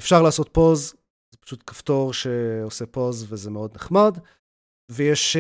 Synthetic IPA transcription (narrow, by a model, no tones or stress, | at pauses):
efʃaʁlaːso̞t̪̚po̞z | zepḁʃut̪kḁft̪o̞ʁʃeosepo̞zvezemeo̞d̪neχmad | vejeʃ